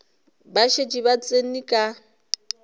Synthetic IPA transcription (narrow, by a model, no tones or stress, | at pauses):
baʃed͡ʒiβat͡sʼenikʼa